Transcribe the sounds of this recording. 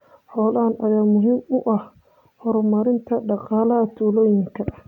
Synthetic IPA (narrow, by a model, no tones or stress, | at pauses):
ħɔːlɐɐnʔɐjaːmʊɦiːmʊʔɐh | hɔɾɔmɐɾɪnt̪ʰɐɖɑqɑːlɐɐt̪ʰuːlɔːjɪŋkʰɐ